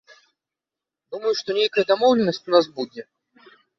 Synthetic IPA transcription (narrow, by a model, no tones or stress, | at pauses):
d̪uməjʊʂt̪onʲejkəjəd̪ɐmowlʲɪnːəsʲtʲʊnas̬budʲɪ